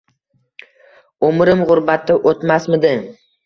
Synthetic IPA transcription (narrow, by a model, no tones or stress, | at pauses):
omɪɾɪmʁʊɾbat̪ːɪʔot̪masmɪd̪ɪ